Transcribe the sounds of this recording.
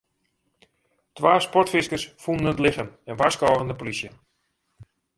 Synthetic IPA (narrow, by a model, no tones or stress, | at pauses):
tʋaːspɔrtfɪskərsfundənətlɪχənɛnʋaskɔːɣəndəpolisjə